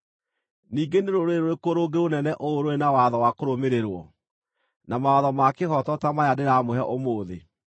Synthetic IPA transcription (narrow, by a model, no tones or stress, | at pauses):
niːɡeneɾoɾoeɾoɾekoɾoɡeonɛnɛʔooɾoɾenawaðɔwakoɾomeɾeɾwɔ | namaaðɔmakehɔtɔtamajadeɾamoɦɛʔomoːðe